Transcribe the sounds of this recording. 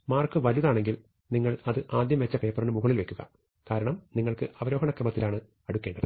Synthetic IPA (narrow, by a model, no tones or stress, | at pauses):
maːrkɨʋɐliðaːɳe̞ŋɡil | niŋːɐɭɐðɨʔaːd̪jɐmʋet͡ɕːɐpe̞ːpːɐrɐɳɨmuɣɐɭilʋe̞kʲːuɣɐ̰ | kaːɾɐɳɐmniŋːɐɭkɨʔɐʋɐɾo̞ːɦɐɳɐkrɐmɐt̪ːilaːɳɨ | ɐɽukːe̞ːɳɖɐðɨ